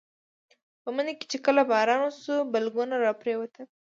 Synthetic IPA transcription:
pəməneke̥t͡ʃekəlabɑɾɑnwusubalɡunaɾɑpɾewat̪ə

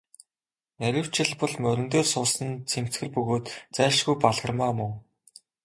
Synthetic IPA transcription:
næɾʲɪ̆w̥t͡ɕɪ̆ɮpɔ̆ɮmœɾʲɪ̆nt̪eːsʊːsə̆nt͡sʰem̥t͡sxɘ̆rpɵɣoːt̪t͡sæːʃɡujpaɮʁə̆rmaːmʊŋ

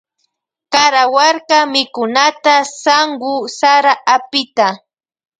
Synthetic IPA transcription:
kaɾawaɾkamɪkʊnat̪asaŋɢʊsaɾaʔapɪt̪a

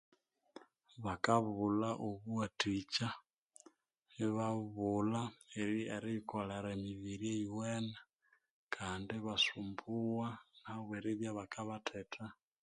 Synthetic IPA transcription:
βakaβulaʔoβuatit͡ʃa | iβaβulaeɾieɾiikoleɾaemiβiɾieiwɛna | kʰaːndiβasumbuwanaβeɾiβjaβakaβatʰetʰa

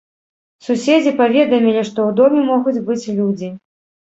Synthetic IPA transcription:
susʲed͡zʲipavʲɛd̪ɐmʲilʲiʂt̪ɔwd̪ɔmʲɛmɔɣud͡zʲbɨt͡sʲlʲud͡zʲi

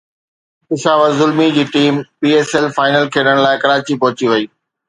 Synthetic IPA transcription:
kɪʃaːʋəɾzʊlmid͡ʑiːʈiːmpiːeːsɛlfaːɪnəlkʰeːɗəɽ̃laːɪkɐɾaːt͡ɕipɐɦʊt͡ɕiʋɐiː

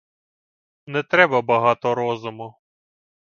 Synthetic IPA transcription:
nɛt̪ɾɛbɐbɐɦɑt̪ɔɾɔzʊmʊ

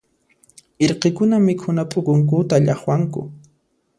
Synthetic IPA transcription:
ɪɾqekʊnamɪkʰʊnapʼʊkʊŋk̬ʊt̪aʎɑχwaŋkʊ̰

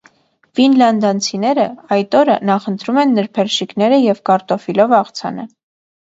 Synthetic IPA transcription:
finlɑnd̪ɑnt͡sʰinɛɾəɑjt̪ɔɾə̰nɑχənt̪ɾumɛnːəɾpʰɛɾʃiknɛɾəjɛvkɑɾt̪ɔfilɔvɑχt͡sʰɑ̰nə̰

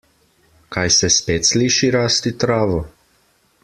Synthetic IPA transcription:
kajsɛspeːt̪sliːʃiɾaːst̪it̪ɾaːʋɔ

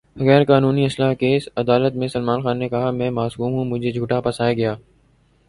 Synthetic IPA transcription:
ɣɛːɾkaːnuːniɐslaːkeːsɐd̪aːlət̪mẽsɐlmaːnxaːnːekɐɦamɛ̃ːmaːsuːmɦũːmʊd͡ʒʱed͡ʒʱuːʈapɐsaːjaɡɐjaː

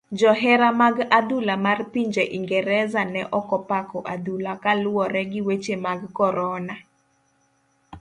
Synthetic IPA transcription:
d͡ʒɔɦɛɾamaɡad̪ulamarpiɲd͡ʒeʔiŋɡɛɾɛzanɛʔɔkɔpakɔʔadulakalʊwɔɾɛɡɪwet͡ʃemaɡkɔɾɔna

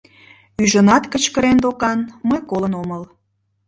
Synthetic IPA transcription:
yʒənɑt̪kət͡ɕkəɾend̪okɑnməjkolənoməl

